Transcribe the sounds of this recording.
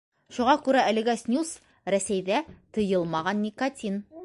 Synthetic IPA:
ʃuʁɑkʉɾæælɘ̆ɡæsʲnʲus | ɾæsæjðæt̪ɤ̆jɤlˠmɑʁɑnːʲikɐt̪ʲin

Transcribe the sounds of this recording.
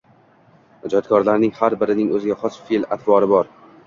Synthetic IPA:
ad͡ʒɒt̪̚kʰɒɾlaɾnɪŋhaɾbɪɾɪnɪŋɵzɪɡʲaχɒsfela̰t̪ʰbɒɾɪbɒɾ

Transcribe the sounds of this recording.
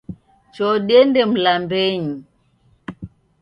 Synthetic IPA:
t͡ʃɔɗɛndɛm̩lambɛɲi

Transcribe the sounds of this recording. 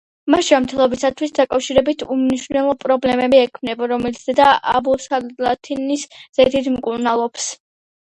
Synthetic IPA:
maʃamt̪ʰɛlˠɔbisat̪ʰwisd̪akʼafʃiɾɛbit̪ʰumniʃwnɛlˠɔpʼɾɔblɛmɛbiɛkʰmnɛbaɾɔmɛlit̪sʰd̪̥ɛd̪aʔa̰busalat̪ʰinisz̥ɛd̪ʰid̪mkʼuɾnalˠɔbs

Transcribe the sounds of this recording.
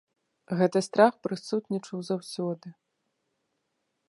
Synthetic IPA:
ɣɛt̪ɨst̪ɾaxpɾɨsut̪nʲit͡ʂɐwzawsʲɔd̪ɨ

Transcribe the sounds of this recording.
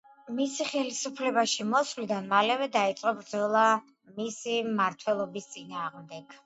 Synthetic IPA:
misiχɛlisupʰlɛbaʃimɔsvlid̪anmalɛvɛd̪ait̪sʼqʼɔbɾd̪zɔlˠa | misimaɾt̪ʰwɛlˠɔbist̪sʼinaːʁmd̪ɛɡ̥

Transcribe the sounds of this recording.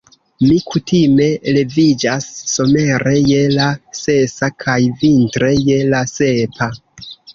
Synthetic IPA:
mikʰutʰime̞le̞vid͡ʒasːo̞me̞ɾe̞je̞lase̞sakʰajvintɾe̞je̞lase̞pa

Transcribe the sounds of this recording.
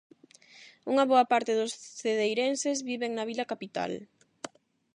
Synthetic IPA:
uŋɐβoɐpaɾt̪ɪðʊsθeðejɾensezβiβeŋnɐβilɐkapit̪a̰l

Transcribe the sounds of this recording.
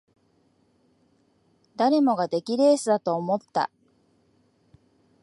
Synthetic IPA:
d̪aɾe̞mo̞ɡad̪e̞kʲiɾe̞ːsɨd̪at̪o̞ːmo̞t̪ːa̰

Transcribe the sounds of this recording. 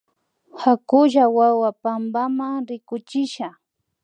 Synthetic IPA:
hakʊʒawawapambamaŋɾɪkʊt͡ʃɪʃa

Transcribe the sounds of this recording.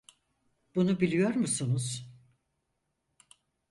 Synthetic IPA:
b̥unubilʲijo̞ɾmusunuz̥

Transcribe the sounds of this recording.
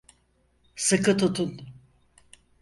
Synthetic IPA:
sɨkɯt̪ʰut̪ʰun

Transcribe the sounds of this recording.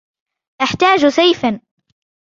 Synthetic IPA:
ʔaħt̪aːd͡ʒsajfan

